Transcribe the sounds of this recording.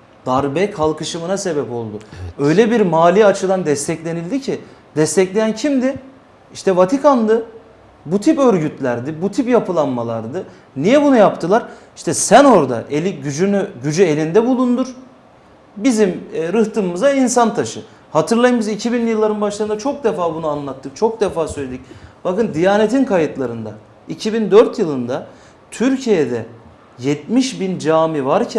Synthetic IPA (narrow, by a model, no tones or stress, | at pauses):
d̪aɾbɛkʰalˠkʰɯʃɯmɯnase̞bɛpo̞lˠd̪ʊɛø̞jlʲɛbiɾmaːlʲiat͡ʃʰɯd̪ˠand̪ɛst̪ʰɛclʲe̞nilʲd̪icʰid̪ɛst̪ʰɛclʲejæncʰimd̪ɪ | iʃt̪ɛvat̪ʰikʰand̪ɯ | but̪ʰipø̞ɾɟyt̪ʰlʲæɾd̪ɪbut̪ʰipjapʰɯlˠanmalˠa̰ɾd̪ɯ | nijɛbunujapt̪ʰɯlˠaɾ | iʃt̪ʰɛsæno̞ɾd̪a̰ʔelʲiɟyynyɟyd͡ʒye̞lʲind̪ɛbulˠund̪uɾ̥ | bizimːɾɯht̪ʰɯmɯzainsant̪ʰaʃɯ | hat̪ʰɯɾlˠajɯmɯzicʰibinjɯlˠːaɾɯnbaʃlˠaɾɯnd̪at͡ʃʰo̞k̚d̪efaːbunuanlˠat̪ʰːɯk̚t͡ʃʰo̞k̚d̪efaːsøjlʲed̪icb̥akɯnd̪ijaːnet̪ʰinkʰajɯt̪lˠaɾɯnd̪a̰ | icʰibind̪øɾt̪jɯlˠɯnd̪a | t̪ʰyɾcʰijed̪ɛ̰ | jɛt̪̚miʃbind͡ʒaːmivaɾcʰɛ